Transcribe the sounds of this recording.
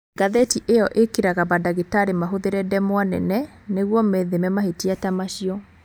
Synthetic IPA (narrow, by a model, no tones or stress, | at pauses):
ɡaðetiʔeɔʔekeɾaɣabadaɣetaɾemaɦoðeɾɛdɛmwanɛ̰nɛ | neɣwɔmɛðemɛmaɦetiatamaɕiɔ